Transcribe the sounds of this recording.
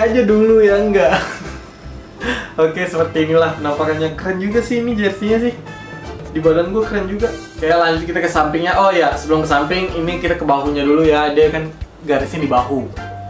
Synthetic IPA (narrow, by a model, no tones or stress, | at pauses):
ad͡ʒadulujaəŋɡaʔ | okesəpərt̪iːnilahkənampakanɲakəɾənd͡ʒuɡasɪhinid͡ʒat̪iɲas̬ɪh | dibaluanɡuakəɾənd͡ʒuɡaʔ | kajalaɲd͡ʒʊt̪̚kit̪akəsampɪŋɲaʔɔjasəbəlʊmkəsampɪŋinikit̪akəbaɦuɲadulujadiakan | ɡaɾɪsɲadibaɦu